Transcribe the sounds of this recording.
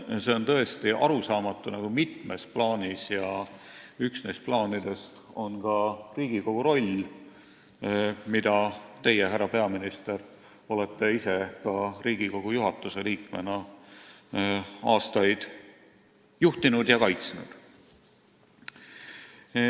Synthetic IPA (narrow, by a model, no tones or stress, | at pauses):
se̞o̞nt̪ɤ̞est̪iʔɑɾusɑːmɑt̪ːˑunɑɡ̥umit̪me̞splɑːnisjɑ | yksnejst̪̚plɑːnid̪̥e̞st̪ | o̞nkɑriːɡ̥iko̞ɡ̥uɾo̞lʲ | mid̪̥ɑt̪e̞jeɦærːɑpe̞ɑminist̪e̞ɾ | o̞let̪ːe̞ise̞kɑriːɡ̥iko̞ɡ̥ujuɦɑt̪ːˑuse̞liːkme̞̰nɑ | ɑːst̪ɑjd̪̥ | juht̪inud̪̥jɑkɑjt̪snṵd̪̥